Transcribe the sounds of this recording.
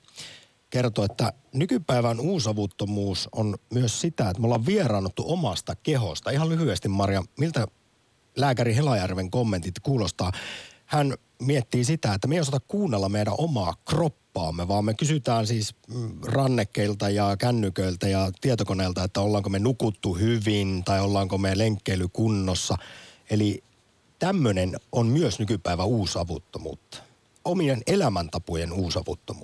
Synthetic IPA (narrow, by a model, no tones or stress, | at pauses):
kert̪oet̪ːænykypæiʋænuːsɑʋut̪ːomuːso̰nmyøssit̪æet̪molːɑʋʋierɑːnːot̪ːuʔomɑst̪ɑkeɦo̰st̪ɑihɑlyhyest̪immɑrjɑmilt̪æ | læːkæɾiɦelɑjærʋeŋkomːe̞nt̪it̪kuːlost̪ɑːhæn | miet̪ːiːsit̪æet̪ːæmejosɑt̪ɑkkuːnːelːɑmmeiɾæ̰ʔo̞mɑːkropːɑːmːeʋɑːmmekysyt̪æːnsiːsrɑnːekːeilt̪ɑjɑkænːykøilt̪æjɑt̪iet̪okoneːlt̪ɑet̪ːæolːɑːŋkomenukut̪ːuhyʋint̪ɑiolːɑːŋkomeleŋkːeilykunːosːɑeli | t̪æmːønenonmyøsnykypæiʋæuːsɑʋut̪ːomṵːt̪ːɑ̥ | ʔomienelæmænt̪ɑpojenuːsɑ̰ʋṵt̪ːomṵ